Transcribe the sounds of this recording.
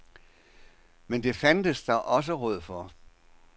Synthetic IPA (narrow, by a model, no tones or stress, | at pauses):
mend̥e̝fænd̥əsd̥ɑ̈ʔɒ̽s̬əʁɔð̞̰ˠfɒ